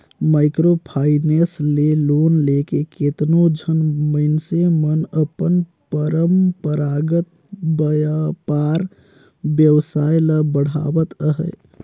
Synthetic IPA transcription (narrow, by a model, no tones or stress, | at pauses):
majkɾopʰaineslelonlekeket̪nod͡ʒʱənməɪnsemənəpən | pəɾəmpəɾaɡət̪̚ | bəjapaɾ | bjəwsajləbəɽ̤a̰bət̪əɦə̰j